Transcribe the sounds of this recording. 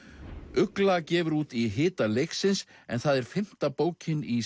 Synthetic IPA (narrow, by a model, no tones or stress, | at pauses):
ʏklacɛːvʏɾuːt̪iɦɪːt̪alejksɪnsɛnθaðɛɾ̥fɪm̥t̪apoːwcɪni